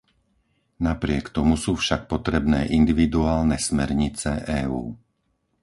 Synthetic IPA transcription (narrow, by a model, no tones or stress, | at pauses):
napɾɪɛkt̪ɔmusuːfʃak̚pɔt̪ɾɛbnɛːʔind̪iʋid̪uaːlnɛsmɛɾɲit͡sɛʔɛːṵː